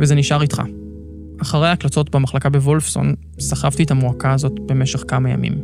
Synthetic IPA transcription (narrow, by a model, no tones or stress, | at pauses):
vezeniʃaʁitχa̰ | aχaʁejhaklat͡so̞tbemaχlakabe̞volfso̰n | saχavtietamuakaːzo̞tbe̞meʃeχkamaja̰mḭm